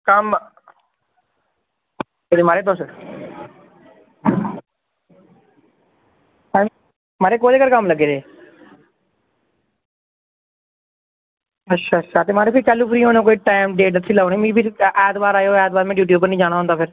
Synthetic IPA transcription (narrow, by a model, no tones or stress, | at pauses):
kəm | oɽiːmaːɾeːp̪osə | a | maːɾeːkoːleːkəɾkəmləɡeːd̪eː | ətːʃʰaːətːʃʰaːt̪eːmaːɾeːpʰɪɾiːkəlːuːpʰɾiːɦoːnõːkoːiːʈaːɪmɖeːʈət̪ʰːiːlaːnĩːmĩːpiɾɛːt̪baːɾaːjoːɛːt̪̚baːɾmɛ̃ːɖjuːʈ̬juːbpːəɾnĩːd͡ʒaːɽ̃aːɦnd̪aːpʰɪɾ